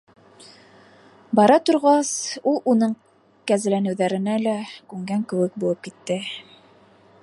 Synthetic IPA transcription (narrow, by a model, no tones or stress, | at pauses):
bɑɾɑt̪ŏɾʁɑsulˠunɤɴ | kæzɘ̆lænɘ̆wðæɾɘ̆nælækʉŋɡæŋkɘ̆wɘk̚bulˠɤp̚kit̪ːɘ